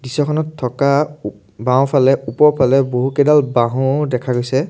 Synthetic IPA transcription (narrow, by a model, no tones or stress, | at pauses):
disɔkʰɔnɔtʰːɔka | bãw̃pʰalɛupɔɹpʰalɛboɦukɛdalbaɦʊ̃dɛkʰaɡojsɛ